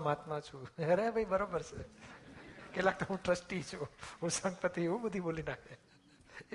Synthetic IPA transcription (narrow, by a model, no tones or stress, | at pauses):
mat̪mãt͡ʃʰuɦəɾeabʱaibəɾobəɾse | kelak̚t̪oɦũʈɾəsʈit͡ʃʰuɦũsə̃ŋɡpət̪ieʋũbəd̪ʱibolinakʰe